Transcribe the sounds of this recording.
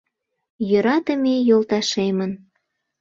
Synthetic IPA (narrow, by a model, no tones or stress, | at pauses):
jøɾɑt̪əmejolt̪ɑʃemən